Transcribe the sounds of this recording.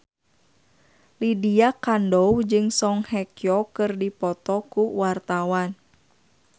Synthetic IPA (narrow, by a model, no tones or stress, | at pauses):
lidiakandɔwd͡ʒɨŋsɔŋhɛkjɔkɨrdipɔt̪ɔkuwart̪awan